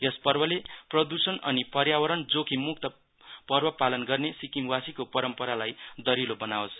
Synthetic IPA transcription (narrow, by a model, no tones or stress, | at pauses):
jʌspʌrbʌleprʌd̪usʌnʌnipʌrjawʌɾʌnd͡zokʰimuk̚t̪ʌ | pʌrbʌpalʌnɡʌrnesikimwasikopʌɾʌmpʌɾalajd̪ʌɾilobʌnawos